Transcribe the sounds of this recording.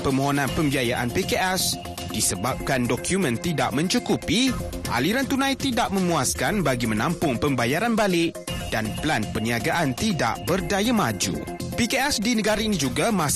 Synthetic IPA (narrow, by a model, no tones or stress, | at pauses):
pəmoɦonãnpəmbiajaʔa̰npekeʔɛs | d̥isəbap̚kandɔkʰjumə̃nt̪ida̰ʔmə̃ɲt͡ʃukupiʔa̰liɾant̪unãjt̪idaʔmə̃muaskanbaɡimə̃nãmpʊŋpəmbajaɾanbalɪʔ | d̥anplanpəniaɡaʔant̪ida̰ʔbərdajamad͡ʒṵ | pikeɛsdinəɡaɾainĩd͡ʒuɡama